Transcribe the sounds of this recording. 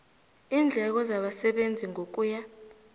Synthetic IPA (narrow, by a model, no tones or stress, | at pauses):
iːnd͡ɮʱɛk̬ɔzaɓasɛɓend͡zʱiŋʱok̬uja